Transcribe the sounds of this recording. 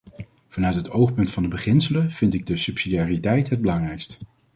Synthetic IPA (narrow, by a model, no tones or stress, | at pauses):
v̥ɑnœɥtɦətowχpɵntfɑndəbəχɪnsələnv̥ɪntɪɡ̚dəsɵpsidiaːritɛjtɦəd̚bəlɑŋrɛjkst